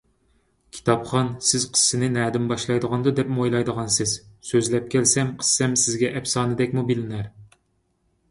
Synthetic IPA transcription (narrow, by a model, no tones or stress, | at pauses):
kʲʰi̥t̪ʰɑpχɑnsɪzqʰə̥sːɨnɪnæːd̪ɪmbɑʃlˠɑjd̪əʁɑnd̪ɨd̪ɛpmojlˠɑjd̪əʁɑnsɪz̥søzlɛp̚kʲɛlsɛmqʰə̥sːɛmsɪzɡʲɛʔɛpsɑːnɨd̪ɛkʲmubilɪnæɾ